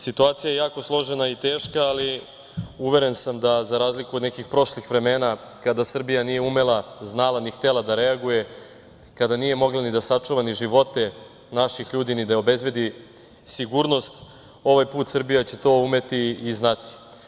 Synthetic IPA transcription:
sit̪uaːt̪sijaje̞jaːko̞slˠo̞ʒenait̪e̞ːʃkaːli | uʋe̞ɾe̞nsamd̪azaɾaːzlikuod̪nekixpɾo̞ʃlixʋɾe̞me̞ːna | kad̪asr̩bijanije̞ume̞laznaːlˠanixt̪elad̪aɾeaɡuje̞ | kad̪anije̞mo̞ɡlanid̪asat͡ʂuʋaniʒiʋo̞t̪e̞ | naʃixʎuːd̪inid̪ao̞be̞zbe̞d̪i | siɡuːɾno̞st̪ | o̞ʋajpuːt̪sr̩bijat͡ɕe̞t̪o̞ːume̞t̪iːznat̪i̥

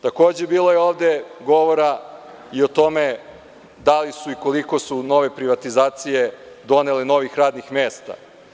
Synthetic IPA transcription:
t̪ako̞ːd͡ʑe̞biːlˠojeoːʋd̪e̞ɡo̞ʋo̞ɾa | io̞t̪o̞me̞ | d̪alisuiko̞liko̞suno̞ʋe̞pɾiʋat̪izaːt̪sije̞ | d̪o̞ne̞leno̞ʋixɾaːd̪nixmeːst̪a̰

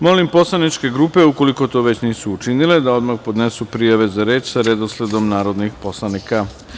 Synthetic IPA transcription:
mo̞limpo̞slˠanit͡ʃke̞ɡɾuːpe̞uko̞liko̞t̪o̞ːʋe̞t͡ɕniːsuːt͡ʃinile̞d̪ao̞d̪maxpo̞d̪ne̞supɾijaʋe̞zaɾe̞ːt͡ʃsaɾed̪osle̞d̪o̞mnaːɾo̞d̪nixpo̞slˠanika

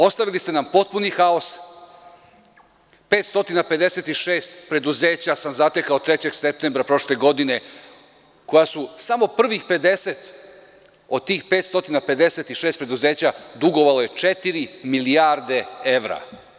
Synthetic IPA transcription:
o̞st̪aʋilist̪enampo̞t̪̚punixao̞s | pe̞ːt̪st̪o̞t̪inape̞d̪e̞se̞t̪iʃeːst̪pɾe̞d̪uzeːt͡ɕasamzat̪ekaot̪ɾet͡ɕe̞ɡsep̚t̪embɾapɾo̞ʃle̞ɡo̞d̪ine̞ | ko̞jasusamo̞pr̩ʋixpe̞d̪e̞se̞t̪ | o̞d̪̚t̪iːxpe̞ːt̪st̪o̞t̪inape̞d̪e̞se̞t̪iʃe̞ːst̪pɾe̞d̪uze̞ːt͡ɕad̪uɡo̞ʋaloje̞t͡ʂet̪iɾimiliaːɾd̪e̞e̞ʋɾa̰

